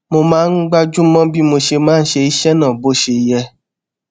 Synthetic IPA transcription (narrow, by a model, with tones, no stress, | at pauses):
mo˧mãː˦n̩˦ɡ͡ba˦d͡ʒu˦mɔ̃˦bi˦mo˧ʃe˧mãː˦n̩˦ʃe˧i˦ʃɛ˦nã˦˨bo˦ʃe˧i˧jɛ˧